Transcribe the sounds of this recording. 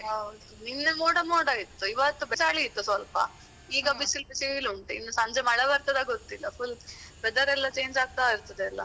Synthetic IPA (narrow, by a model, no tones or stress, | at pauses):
ɦɐwd̪uninːɐmoːɽɐmoːɽɐit̪ːuiʋɐt̪ːubɛsaːɭiːt̪ːusʋɐlpɐ̰ | iːɡɐbisilbisiluɳʈinːusɐɲd͡ʒemɐɽɐʋɐɾt̪ɐd̪ɐɡot̪ːilːɐpʰulbɛd̪ɐɾɛlːɐt͡ʃe̞ːɲd͡ʒaːɡ̚t̪aːiɾt̪ɐd̪eɐlːɐ̰